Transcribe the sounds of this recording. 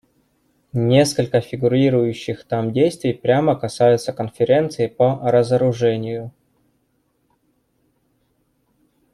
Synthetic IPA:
nʲe̞skəlʲkəfʲɪɡʊɾʲiɾʊjʉɕːɪxt̪amdʲejst̪vʲɪjpɾʲaməkɐsajʊt̪səkənfʲɪɾʲe̞nt̪sɨɪpəɾəzəɾʊʐɛnʲɪjʊ

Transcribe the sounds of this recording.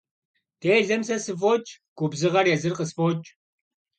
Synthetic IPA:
tʰeːɮɐmsɐsɨf̬ot͡ʃʼɡ̥ʷʊbzɨʁɐrjɛzɨrqəsfot͡ʃʼ

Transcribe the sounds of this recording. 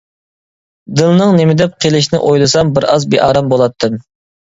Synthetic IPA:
d̪ɨlˠnɨŋnemɪd̪ɛp̚qʰelɪʃ̬nɪ̰ʔojlˠɨsɑmbɪɾɑzbeʔɑːɾɑmbolˠɑt̪ʰːɨm

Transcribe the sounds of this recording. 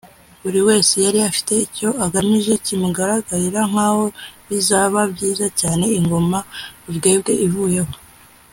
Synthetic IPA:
βuɾiwe̞ːse̞jaɾiafi̥te̞ico̞aɡamiʒe̞cimuɡaɾaɡaɾiɾaŋ̥aːho̞βizaːβabɟiːzacaːne̞iŋɡo̞mauvɡe̞ːbɡe̞ʔivuːje̞ho̞

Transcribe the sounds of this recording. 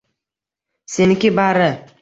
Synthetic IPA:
senɪkʲɪbaɾɪ

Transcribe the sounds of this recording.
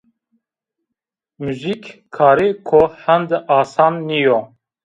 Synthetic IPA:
muzikkʰːɑːɾiːkʰohɛnd̪ʔaːsɑːnːijo

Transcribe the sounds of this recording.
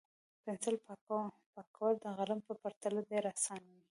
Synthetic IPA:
pɪnsɪlp | pɑkʰawəld̪əɣalampəpaɾt̪alad̪eɾasɑnwi

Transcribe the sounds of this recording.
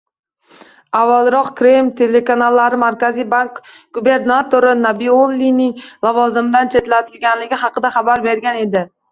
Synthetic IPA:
avːalˠɾɒqkɾemt̪ʰe̞le̞kanalˠːaɾɪmaɾkʲazijbaŋk | ɡ̥ube̞ɾnat̪oɾɪnabiolːinɪŋlˠɒvɒzɪmd̪ant͡ʃʰe̞t̪lat̪ʰɪlɡʲanlɪɡʲɪɦɑqɨd̪aχɑbaɾbe̞ɾɡʲane̞d̪ɪ

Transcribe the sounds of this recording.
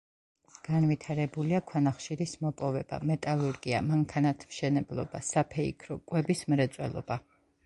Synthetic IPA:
ɡ̥anvit̪ʰaɾɛbuliakʰwanaχʃiɾismɔpʼɔvɛba̰mɛt̪ʼalˠuɾɡia̰maŋkʰanat̪ʰmʃɛnɛblˠɔ̰basapʰɛikʰɾɔkʼwɛbismɾɛt̪sʼwɛ̰lˠɔ̰ba

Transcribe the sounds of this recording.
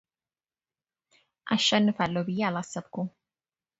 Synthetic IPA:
ʔa̰ʃːanːɨfalːobɨjːɛalasːəbku

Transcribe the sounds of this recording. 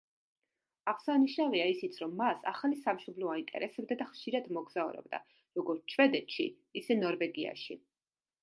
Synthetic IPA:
aʁsaniʃnaviaisit̪sʰɾɔmːasa̰χalisamʃɔblaint̪ʼɛ̰ɾɛsɛb̚d̪ad̪aχʃiɾad̪mɔɡzaṵɾɛ̰bd̪a̰ | ɾɔɡɔɾt̪sʰt͡ʃʰvɛd̪ɛt̪ʃḭː | sɛnɔɾvɛɡia̰ʃḭ

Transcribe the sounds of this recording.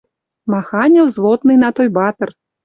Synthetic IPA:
maxanʲɐwzlˠɔt̪nɨjnat̪ɔjbat̪ɐr

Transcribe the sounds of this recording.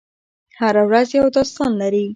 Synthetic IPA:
haɾawɾazjawd̪ɑst̪ɑnlaɾi

